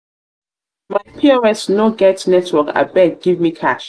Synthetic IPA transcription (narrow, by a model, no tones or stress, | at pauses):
maɪpʰiɔɹɛsnoɡɛtnɛtʰwɔka̰bɛnɡ̥ivmikʰaʃ